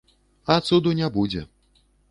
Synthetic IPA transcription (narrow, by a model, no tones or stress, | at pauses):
ɐt̪sud̪unʲɛbud͡zʲɛ̰